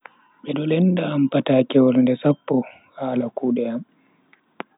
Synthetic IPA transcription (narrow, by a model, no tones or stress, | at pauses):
ɓɛɗɔlɛndaːmpataːkɛwɔlndɛsapːɔ | haːlakuːɗɛam